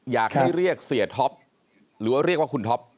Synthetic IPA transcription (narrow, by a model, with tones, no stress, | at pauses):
jaː˨˩k̚ha˥˩ɾi˥˩ək̚si˨˩ət̪ʰɔ˦˥p̚ | ɾɯː˩˦waː˥˩ɾi˥˩kwaː˥˩ku˧nt̪ʰɔ˦˥p̚